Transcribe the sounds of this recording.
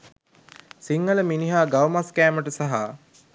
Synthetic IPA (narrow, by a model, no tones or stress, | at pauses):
siŋːələminiɦaːɡawmaskæːməʈəsaɦa